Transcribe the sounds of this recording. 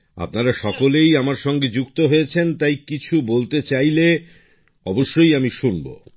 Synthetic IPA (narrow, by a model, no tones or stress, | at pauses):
a̰p̚naɾaʃɔkolejamaɾʃɔŋɡed͡ʑuk̚t̪oɦojet͡ɕʰent̪ajkit͡ɕʰubolt̪et͡ɕajle | ɔboʃːojamiʃunbo̰